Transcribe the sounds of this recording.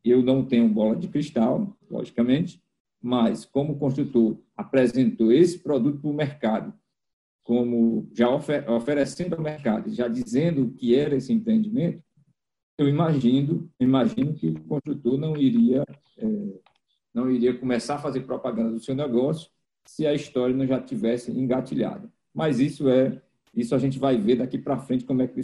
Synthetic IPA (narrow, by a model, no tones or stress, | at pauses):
ewnɐ̃w̃t̪ẽɲʊbɔlɐd͡ʒɪkɾiʃt̪awlɔ̰ʒikɐmẽnt͡ʃɪ̥ | mɐskõmʊːkõst̪ɾut̪oɾ | apɾɛzẽnt̪oesɪ̥pɾɔd̪ut̪ʊ̥pʊɾmɛɾkad̪ʊ | kõmʊʒaɔfɛɔfɛɾɛsẽnd̪ʊawmɛɾka̰d̪ʊʒad͡ʒizẽnd̪ʊkɪɛɾɐesɪẽmpɾẽnd͡ʒimẽnt̪ʊ̥ | ewimaʒĩnd̪ʊimaʒĩnʊkɪʊkõst̪ɾut̪oɾnɐ̃w̃iɾiɐ | ɛ | nɐ̃w̃iɾiɐkõmɛsaɾɐfazeɾpɾɔpaɡɐ̃nd̪ɐd̪ʊsewnɛɡɔsjʊ̥ | sɪɐiʃt̪ɔɾjɐnɐ̃w̃ʒativɛsɪẽɡat͡ʃiʎa̰d̪ɐ | majzisʊɛ | isʊaʒẽnt͡ʃɪvajved̪akipɾɐfɾẽnt͡ʃɪ̥kõmʊɛkɪi